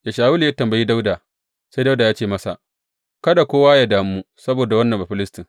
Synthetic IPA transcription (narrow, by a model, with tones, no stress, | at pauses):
ja˨ʃaː˨wʊ˦li˨ja˦tɐ˨mbɐ˨jiː˦da˦wdaː˨ | sa˦jda˦wdaː˨jaː˦t͡ʃeː˦˨mɐ˦sa̰˨ | kɐ˦da˨kʷoː˦waː˦ja˦daː˨m˦uː˦ | sɐ˦boː˨da˨wɐ˦nːɐ˨mbɐ˨ɸɪ˦lɪ˦stɪ˨ŋ